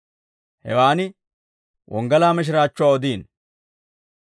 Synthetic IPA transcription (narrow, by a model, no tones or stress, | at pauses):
hɛ̰waːnɪ | wʔɔ̰ŋɡɐlaːmɛʃ̬ɪɾaːt͡ʃːʊwaːɔd̪iːn